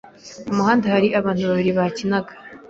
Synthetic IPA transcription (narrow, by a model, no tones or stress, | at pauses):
umuhaːndahaɾiʔaβaːn̥tuβaβiɾiβacinaɡḁ